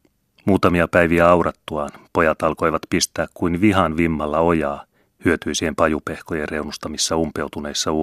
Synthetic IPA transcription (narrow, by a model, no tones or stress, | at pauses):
muːt̪ɑmiɑpæjʋiæɑuwɾɑt̪ːuɑːnpo̞jɑt̪ɑlko̞jʋɑt̪pist̪æːkkuinʋiɦɑnʋimːɑlːɑo̞jɑː | hyøt̪yːsihempɑjupe̞hkojere̞wnust̪ɑmisːɑumpe̞wt̪une̞jsːɑu